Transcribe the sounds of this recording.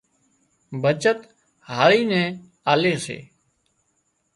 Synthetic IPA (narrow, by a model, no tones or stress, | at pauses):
bʱət͡ʃət̪ | ɦaːɾiːnɛ̃ː | aːleːsḛː